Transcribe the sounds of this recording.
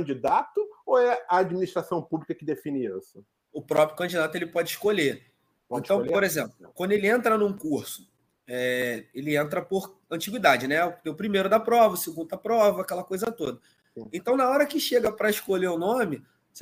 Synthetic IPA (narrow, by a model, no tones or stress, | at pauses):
kɐ̃d͡ʒid̪at̪ʊoɛɐad͡ʒminiʃt̪ɾasɐ̃w̃publikɐkɪd̪efĩnɪḭsʊ̥ | ʊpɾɔpɾjʊkɐ̃d͡ʒid̪at̪ʊelɪpɔd͡ʒɪiʃkoʎe | pɔ̃t̪ɐ̃w̃poɾezẽplʊkwɐ̃nd̪ʊelɪẽnt̪ɾɐnũkuɾsʊ̥ | ɛelɪẽnt̪̬ɾɐpoɾ | ɐ̃t͡ʃiɡwid̪ad͡ʒɪnɛʊeʊpɾimejɾʊd̪apɾɔvɐseɡũnd̪ʊɐpɾɔvɐakɛlɐkojzɐt̪od̪ɐ̃ | ẽt̪ɐ̃w̃nɐɔɾɐkɪʃeɡɐpɾɐiʃkoʎeʊnõmɪ | s